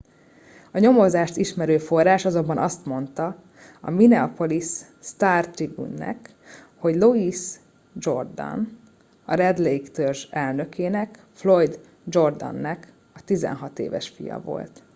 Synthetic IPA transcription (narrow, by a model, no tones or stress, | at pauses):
ɒɲo̞mo̞zaːʃt̪iʃmɛɾøːfo̞rːaːʃɒzo̞mbɒnʔɒst̪mo̞nt̪ɒ | ɒminɛɒpo̞lisː | t̪aːrt̪iɡṵnːɛ̰k | ho̞ɟlo̞is | d͡ʒo̞rd̪ɒ̰n | ɒɾɛd̪lejkt̪ørʒɛlnø̞kʰeːnɛk | flo̞jd̪ | d͡ʒo̞rd̪ɒ̰nːɛk | ɒt̪izɛ̰nɦɒt̪ḛːvɛ̰ʃfḭjɒ̰vo̞̰lt̪